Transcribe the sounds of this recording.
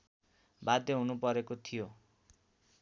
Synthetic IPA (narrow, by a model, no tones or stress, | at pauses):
bad̪eɦunupʌɾekot̪ʰijo